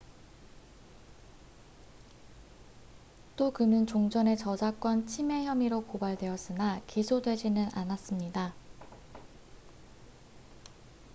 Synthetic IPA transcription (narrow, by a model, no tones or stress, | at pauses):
t͈okɯnɯnt͡ɕoŋd͡ʑʌne̞t͡ɕʌd͡ʑak͈wʌnt͡ɕʰime̞çjʌmiɾokobaɭdwe̞ʌs͈ɯnakisʰodwe̞d͡ʑinɯnanas͈ɯmɲida